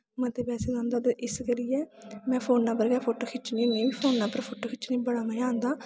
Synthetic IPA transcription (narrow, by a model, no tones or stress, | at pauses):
mə̃ːt̪eːpɛːseːd͡ʒãːnd̪aːt̪eːʔɪskəɾiːjɛːmɛ̃ːpʰoːnːãːpəɾɡɛːpʰoːʈoːkʰɪt͡ʃnĩːnẽːiːpʰoːnːãːpəɾpʰoːʈoːkʰɪt͡ʃnĩːbəɽaːmɛ̃ãːnd̪aː